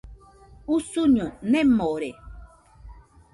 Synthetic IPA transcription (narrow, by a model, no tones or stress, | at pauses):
usuɲõnẽmoɾe